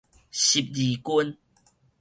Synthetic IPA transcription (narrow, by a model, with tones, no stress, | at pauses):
ɕi˨˩p̚li˨˦ku˦n